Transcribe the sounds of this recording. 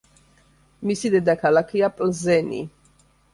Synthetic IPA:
misid̪ɛd̪akʰalakʰiapʼlzɛnḭ

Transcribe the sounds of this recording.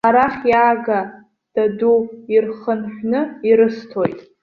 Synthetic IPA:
aɾaχʲjaːɡa | d̥aduirχənħʷᶣnɨiɾɨstʰojtʼ

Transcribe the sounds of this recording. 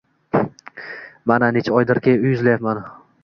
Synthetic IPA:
mananet͡ʃʰɒjd̪ɪɾkʲʰeʊjʊzlajapman

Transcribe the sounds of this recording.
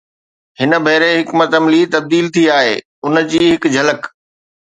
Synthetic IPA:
hɪnə̆bʱeːɾeɦɪkmɐt̪əmlit̪ɐb̚d̪iːlt̪ʰiaːɦḛː | ʊnə̆d͡ʑiːɦɪkd͡ʑʱɐlək

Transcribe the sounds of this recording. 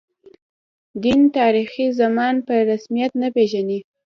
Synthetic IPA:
d̪int̪ɑɾixizamɑnpəɾasmijat̪napeʒani

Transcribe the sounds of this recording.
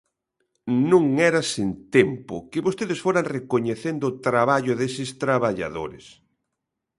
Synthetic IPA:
nũŋɛɾasint̪ɛmpʊ̰kɪβost̪eðɪsfoɾaŋrekoɲeθend̪ʊːt̪ɾaβaʎoðesɪst̪ɾaβaʎa̰ðo̰ɾɪ̰s

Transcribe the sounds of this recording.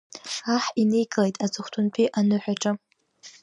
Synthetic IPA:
aħinejɡʼɨlejtʼat͡sʼɨχʷtʰʊntʰiʔanɨħʷᶣaʈ͡ʂʼa

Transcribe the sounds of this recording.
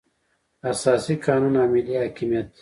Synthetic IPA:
ɐsaːsikaːnunaːmiliɦaːkimijɐt̪

